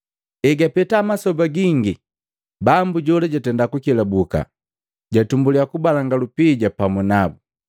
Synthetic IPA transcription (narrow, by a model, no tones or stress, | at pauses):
ɛɡapɛtaːmasɔbaɡiŋɡi | bambuɟɔlaɟatɛndakukilabuka̰ | ɟatumbuliakubalaŋɡalupiɟapamunabu